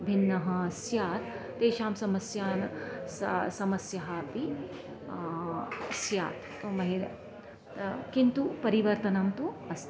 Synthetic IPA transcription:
bʱinːɐɦɐɐsjaːt̪ː | eːʃaːmsɐmɐsjaːnssɐmɐsjɐɦɐpi | ɐsja̰ːt̪t̪oːmɐɦiɾɐ | kint̪upɐɾiʋɐɾt̪ɐnɐmt̪uɐs

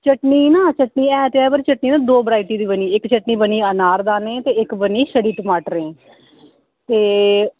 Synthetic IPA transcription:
t͡ʃəʈniːnãːt͡ʃəʈniːɛːt̪eɛːbəɾt͡ʃəʈniːnãːd̪oːbəɾaːiʈiːd̪iːbəniːɪkt͡ʃəʈniːbəniːənaːɾd̪aːneːt̪eːɪkbəniːʃəɽiːʈəmaːʈɾẽː | t̪eː

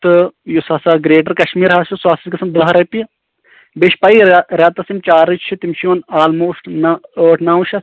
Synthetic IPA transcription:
t̪ɨjusɐsɐɡɾeːʈɐɾkɐʃmiːɾɦasuswaːsiskɐsɐmd̪ɐɦɾɐpi | beʃpaːiɾjaːt̪ɐsimt͡ʃaːɾit͡ʃt͡ʃʰit̪imʃijoːnaːlmoːsʈnəʈnaːwʃɐ

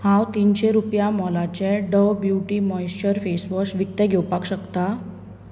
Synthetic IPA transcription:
hãwt̪inɕeɾupjamɔlat͡ɕɛɖəbjuʈiːmɔjst͡ɕəɾfesʋəsʋik̚t̪əɡʱewpakɕəkt̪a

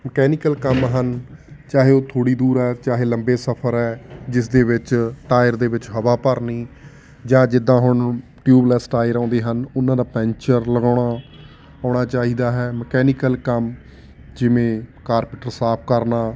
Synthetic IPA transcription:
məkɛːnɪkəlkəmɦənt͡ʃaːɦeːoːt̪ʰoːɽiːd̪uːɾɛːt͡ʃaːɦeːləmbeːsəpʰəɾɛːd͡ʒɪsd̪eːʋɪt͡ʃʈaːɪɾd̪eːʋɪt͡ʃɦəʋaːpəɾniː | d͡ʒãːd͡ʒɪd̪ːãːɦʊɳ | ʈjuːblɛːsʈaːɪɾãːnd̪eːɦənʊnãːd̪aːpɛ̃ːɲt͡ʃəɾləɡaːɽɳaː | ãːɳ̃aːt͡ʃaːɦiːd̪aːɦɛːməkɛːnɪkəlkəm | d͡ʒɪʋẽːkaːɾpɪʈəɾsaːp̚ʰkəɾnaː

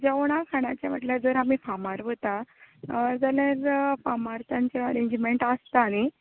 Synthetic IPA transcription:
d͡zəʋɽ̃akʰaɽ̃at͡ɕjaʋəʈljad͡zəɾamiːfamaɾʋət̪a | d͡zaljaɾfamaɾt̪ãɲt͡ɕaəɾẽɲd͡ʑmeɳʈast̪aːɽ̃i

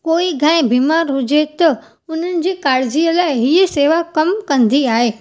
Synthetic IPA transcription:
koːiɡʱãːẽbiːmaːɾɦʊd͡ʑet̪ɐ | ʊn̤ənɪ̆d͡ʑiːkaːɾɪd͡ʑiəlaːɪɦiːəseːʋakɐmkɐ̃nd̪iaːɦeː

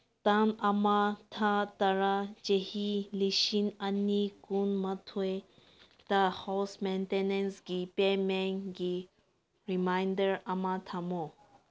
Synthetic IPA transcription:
t̪anɐmat̪ʰat̪ɐɾad͡ʒehiliʃinɐnːikunmɐt̪ʰue | t̪ahɔsmentenensɡipemɛŋɡi | ɾimajndəɾɐmat̪ʰamo

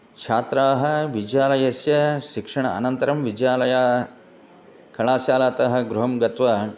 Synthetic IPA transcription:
kt͡ʃʰaːt̪ɾaːɦɐ̆ʋid͡ʒjaːlɐjɐsjɐʃikʂɐɳɐɐ̰nɐnt̪ɐɾɐmʋid͡ʒjaːlɐjaː | kɐɭaːsjaːlaːt̪ɐɦɐ̆ɡɾuɦɐmɡɐt̪ʋɐ

